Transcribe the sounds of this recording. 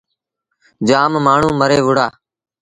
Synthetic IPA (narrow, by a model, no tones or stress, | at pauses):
d͡ʒaːmmaːɳ̤ũːməɾeːʋʊɽaː